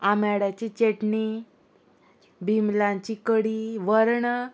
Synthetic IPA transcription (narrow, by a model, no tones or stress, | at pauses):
amaɽat͡ɕit͡ɕeʈni | bʱimlãɲt͡ɕikəɽiʋəɾɳ